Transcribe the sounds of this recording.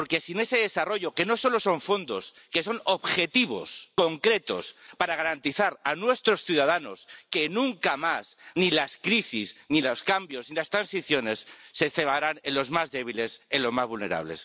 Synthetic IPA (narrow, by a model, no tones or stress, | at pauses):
ppoɾke̞sine̞se̞ðesaro̞ʝo̞ke̞no̞so̞lo̞soɱfo̞nd̪o̞̰ske̞so̞noβxe̞t̪iβ̞o̞sko̞ŋkɾe̞t̪o̞̰spaɾaɣ̞aɾant̪iθaɾanwe̞st̪ɾosθjuðað̞ano̞̰ske̞nũŋkamasnilaskɾisizniloskambjo̞znilast̪ɾansiθjo̞ne̞sːe̞θe̞βaɾane̞nlo̞zmazðe̞β̞ile̞selo̞zmazβulne̞̰ɾa̰β̞le̞̰s